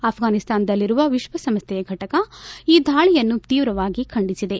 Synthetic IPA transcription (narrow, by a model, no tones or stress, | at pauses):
ɐːpʰɡaːnist̪aːnd̪ɐlːiɾuʋɐʋiʃʋɐsɐmst̪jɛjɐɡʱɐʈɐkɐiːd̪ʱaːɭijɐnːut̪iːʋɾɐʋaːɡikʰɐɳɖisid̪e̞